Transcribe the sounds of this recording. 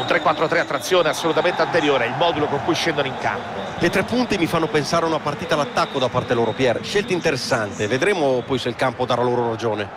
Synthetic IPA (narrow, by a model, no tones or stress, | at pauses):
unt̪ɾekːwat̪ːɾot̪ɾeat̪ːɾat̪sːjoːneasːolut̪ament̪eant̪eɾjoːɾeɛilmɔːd̪ulokoŋkujʃɛnd̪onoiŋka̰mpolet̪ɾɛpːunt̪imifanːopensaːɾeunapart̪iːt̪alat̪ːakːod̪apːart̪eloːɾopjɛrʃelt̪aint̪eɾesːant̪eved̪ɾɛːmopɔjsuilkampod̪aɾaloːɾoɾad͡ʒoːne